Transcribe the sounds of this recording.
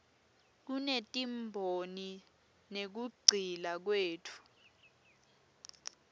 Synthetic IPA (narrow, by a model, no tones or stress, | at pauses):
k̬unetʼimbʱoni | nek̬uɡ͡ǀʱilak̬weːtʰu̥